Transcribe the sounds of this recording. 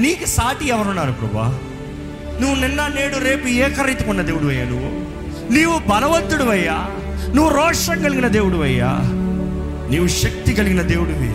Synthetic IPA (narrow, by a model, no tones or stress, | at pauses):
niːkusaːʈiɛʋɐɾɔnːaːɾupɾɐ̰ba̰ | nuːʋunɛnːɐneːɽuɾeːpueːkɐɾɐjt̪ukɔɳːɐd̪eːʋuɽuʋɐjːɐnuʋu | niːʋubɐlɐʋɐnt̪ːuɽuʋɐjːa | nuːʋuɾɔːʂɐŋɡɐɭiɡinɐd̪eːʋuɽuʋɐjːa̰ | niːʋuʃɐk̚t̪iɡɐɭiɡinɐd̪eːʋuɽuʋḛ